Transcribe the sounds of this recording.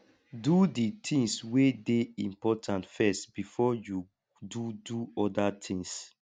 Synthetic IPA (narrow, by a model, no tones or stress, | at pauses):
duditʰĩŋswedeĩmpɔtʰãntfɛstb̥ifɔju | duduɔdatʰĩŋs